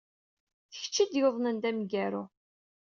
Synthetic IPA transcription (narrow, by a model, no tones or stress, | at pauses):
θəç̥t͡ʃːid̪joðˤnənd̪æmɡæɾʊ